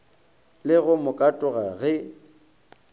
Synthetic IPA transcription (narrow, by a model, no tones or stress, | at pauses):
lɪɣʊmʊkʼatʼʊɣaɣɪ